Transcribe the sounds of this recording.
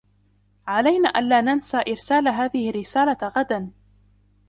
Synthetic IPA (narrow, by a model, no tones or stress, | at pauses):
ʕalajnaːʔanlaːnansaːʔɪɾsaːlaɦaːðɪhɪrːɪsaːlaɣad̪an